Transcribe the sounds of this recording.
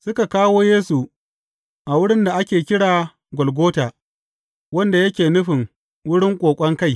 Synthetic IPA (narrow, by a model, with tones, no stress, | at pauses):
sʊ˦ka˨kaː˦woː˦jeː˦su˨ | ʔa˨wʊ˦ɽɪ˦nda˨ʔa˦kʲeː˨kʲɪ˦ɽaː˨ | ɡʷɔ˨lɡʷoː˦taː˨ | wɐ˦nda˨jɐ˦kʲeː˨nʊ˦ɸɪ˨ŋ | wʊ˦ɽɪ˦ŋkʷʼoː˨kʷʼɐ˦ŋka˦˨j